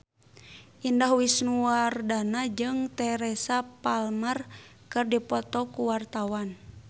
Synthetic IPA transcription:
ʔindaɦuwisnuardanad͡ʒɨŋt̪ɛɾɛsapalmər | kɨrdipɔt̪ɔkuwart̪awan

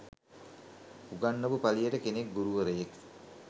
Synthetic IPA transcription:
uɡanːəʋupalijəʈəkenek̚ɡuɾuʋəɾəjek

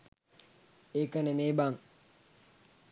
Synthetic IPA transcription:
eːkɐnemeːbaŋ

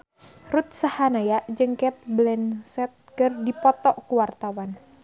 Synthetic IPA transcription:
rut̪̚sahanajaʔd͡ʒəŋkɛt̪̚blɛnsɛt̪̚kərdipɔt̪ɔʔkuwart̪awan

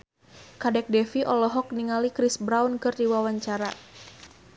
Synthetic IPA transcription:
kadɛk̚dɛfiʔɔlɔɦɔk̚niŋalikɾisbɾaunkɨrdiwawaɲt͡ʃaɾa

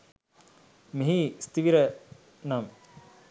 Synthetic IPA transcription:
meɦist̪iʋiɾɐ | nam

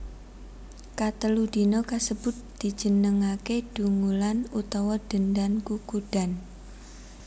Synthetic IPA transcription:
kat̪əlud̪̥inɔkasəb̥ʊ̤t̪̚d̪̥i̤̥d͡ʒ̥ə̤nəŋaked̥uŋulanut̪ɔwɔd̥ə̤ndankukuɖ̥a̤n

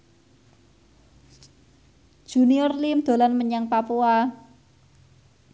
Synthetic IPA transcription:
d̥ʒ̥ṳniɔrlimd̪̥o̤lanməɲaŋpapua

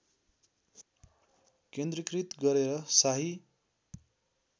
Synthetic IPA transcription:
kend̪rikrit̪ɡʌɾeɾʌsaɦi

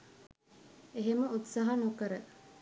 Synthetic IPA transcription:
eɦeməut̪saɦanokəɾə

